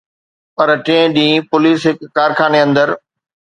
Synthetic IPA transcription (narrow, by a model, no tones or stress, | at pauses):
pɐɾʈẽːɗĩːpʊliːsɦɪkːaːɾxaːneɐ̃nd̪əɾ